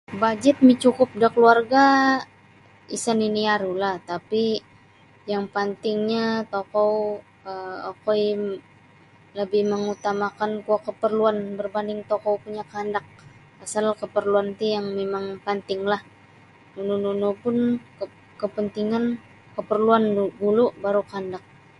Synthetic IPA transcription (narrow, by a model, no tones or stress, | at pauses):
bad͡ʒɪt̪̚mit͡ʃukʊp̚dakəluarɡa | isaniniaɾulaht̪api | jaŋpənt̪ɪŋɲat̪okɔw | əokɔj | ləbɪhməŋut̪amakankuakəpərluanbərbandɪŋt̪okowpuɲakandak̚ | asalkəpərluant̪ijaŋmemaŋpant̪ɪŋlah | nunununupʊnkə | kəpənt̪iŋan | kəpərluanbulubaɾukandak̚